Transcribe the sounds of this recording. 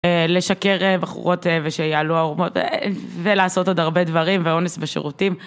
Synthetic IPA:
ele̞ʃake̞ʁebaχṵʁo̞tveʃejaaluaoʁmotv̰velaːso̞todaʁbe̞dvaʁimveo̞nesbeʃḛʁutim

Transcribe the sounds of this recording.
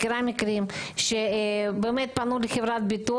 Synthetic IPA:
kiɾamikɾimʃebemet̪̚panulixevɾat̪̚bit̪u

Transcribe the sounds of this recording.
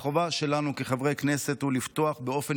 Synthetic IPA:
χovaʃe̞lanukeχavʁejknese̞t̪hulift̪o̞aχbeo̞fe

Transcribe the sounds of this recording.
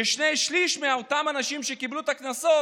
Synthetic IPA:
eʃnejʃliʃmeaot̪amanaʃimʃekiblut̪aknaso

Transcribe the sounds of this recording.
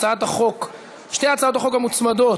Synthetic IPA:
aat̪aχok | ʃnejat͡sao̞t̪aχo̞khamut͡smad̪o

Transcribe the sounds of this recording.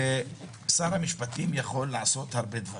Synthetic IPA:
e | saɾhamiʃpat̪imjaχo̞lːaʕaso̞t̪haʁbe̞d̪va

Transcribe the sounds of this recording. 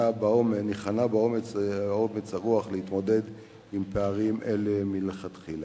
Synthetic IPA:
abaomeniχanabao̞met͡somet͡shaʁuaχleit̪mo̞de̞d̪ | impeaʁimʔelemileχat̪χila

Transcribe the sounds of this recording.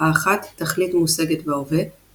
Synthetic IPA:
aːχat̪ːaχlitmuseɡetveove

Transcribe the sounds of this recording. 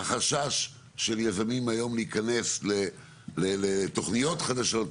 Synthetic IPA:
aχaʃaʃː | e̞ljazamimajo̞mliikane̞sle | lelet̪o̞χnijo̞t̪χad̪aʃo̞t

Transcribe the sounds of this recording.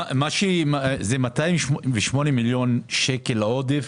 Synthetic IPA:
amaʃemazemat̪aimʃveʃmo̞nemiljo̞nʃekelaod̪ef

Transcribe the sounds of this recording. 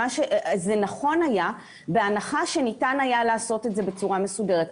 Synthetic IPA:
aʃezenaχo̞naja | beanaχaʃe̞nitanajalaːso̞tetze̞bet͡suʁame̞sude̞ʁet

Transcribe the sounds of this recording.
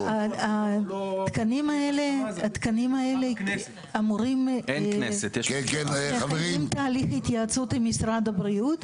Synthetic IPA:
aat̪kanimaeleat̪kanimaele | amuʁimnesetkekenaveʁimt̪aːliχit̪jat͡sutemisʁadabʁiut̪

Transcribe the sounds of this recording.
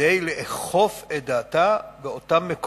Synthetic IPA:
ejleʔeχo̞fedaːtaveotamːek

